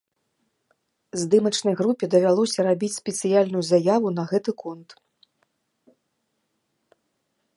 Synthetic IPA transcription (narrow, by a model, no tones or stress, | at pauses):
zd̪ɨmɐt͡ʂnɐjɣɾupʲɛd̪ɐvʲalˠɔsʲɐɾabʲit͡sʲsʲpʲɛt̪sɨjalʲnujuzajavunɐɣɛt̪ɨkɔnt̪